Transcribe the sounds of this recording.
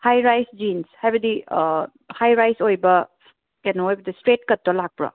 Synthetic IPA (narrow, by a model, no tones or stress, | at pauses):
hajɾajsd͡ʒinshajbɐdi | hajɾajsojbɐ | kenoejbɐdistɾet̚kɐtːɐlak̚pɾɐ̰